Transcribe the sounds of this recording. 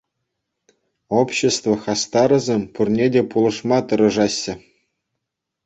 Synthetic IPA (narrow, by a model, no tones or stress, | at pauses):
opɕːest̪vŏxɑst̪ɑɾɤ̆zʲemʲpurnʲedʲepulˠɤ̆ʂmɑt̪ɤ̆ɾɤ̆ʐɑɕːɘ̆